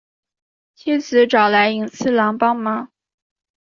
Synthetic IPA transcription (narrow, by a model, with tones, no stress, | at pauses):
t͡ɕʰi˥t͡sʰɹ̩˧˥ʈ͡ʂɑ˨˩ʊla˧˥ɪi˨˩ŋsʰɹ̩˥lɑ˧˥ŋpɑ˥ŋma˥